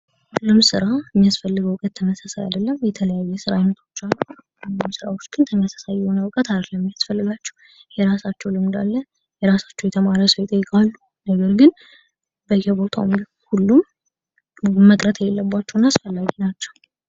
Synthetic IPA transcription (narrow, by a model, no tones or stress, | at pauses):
lɨmsɨɾaəmːijasfəlːɨɡəwʊkʼət̪ʰːəməsasaja̰d̪əlːəmjɛt̪ʰələjajːɛsɨɾa̰wnːət̪ʰo̞t͡ʃːalːu | msɨɾa̰wo̞t͡ʃːɡ̥ɨnt̪ʰəmːijasḁsajːɛho̞nəwɨkʼət̪aɾkləmːijasfəlːɨɡat͡ʃːɛ̥w | jɛɾasat͡ʃːɛwlɨmnd̪a̰lːə | jɛɾasḁt͡ʃːɛwjɛt̪ʰəmaɾəsəwɪt̪ʼəjːɪkʼalːu | nəɡəɾɡɨn | bəjɛbo̞t̪ʰa̰wm | hulːum | məkʼɾət̪ʰɛjelːəbːat͡ʃːɛwnːaasfəlːaɡinat͡ʃːɛw